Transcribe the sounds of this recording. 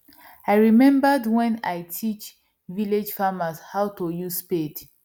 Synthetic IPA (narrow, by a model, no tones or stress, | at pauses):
ajɹimɛ̃mbadwɛ̃najtʰit͡ʃ | viled͡ʒfamashawtojusped